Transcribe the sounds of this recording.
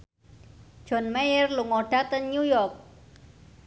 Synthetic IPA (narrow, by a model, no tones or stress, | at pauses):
d͡ʒ̥ɔ̤nmɛjərluŋɔɖ̥at̪ənɲujɔrk̚